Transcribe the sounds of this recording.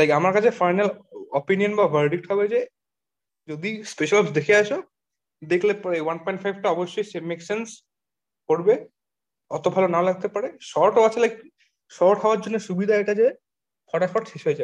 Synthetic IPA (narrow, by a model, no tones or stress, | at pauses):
lajkamaɾkat͡ɕʰefajnalopinionbabʱɐɾɖik̚ʈɦɔbed͡ʑe | d͡ʑod̪ispeʃalɔbsd̪ekʰeaʃo | d̪ekʰlepewanpɔjɳʈfajbʱʈaɔboʃːojsemeksens | koɾbe | ɔt̪obʱalonalaɡ̚t̪epaɾeʃɔɾʈoat͡ɕʰelajk | ʃɔʈɦaoaɾd͡ʑonːeʃubid̪ʱaeʈad͡ʑe | fʰɔɽaʃpɔʈʃeʃɦojed͡ʑae